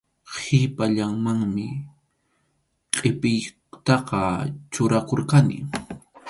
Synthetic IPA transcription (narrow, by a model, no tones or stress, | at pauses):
hɪpaʎaŋmaŋmɪ | qʼɪpɪj | t̪ɑqɑt͡ʃʊɾakoɾkanɪ̰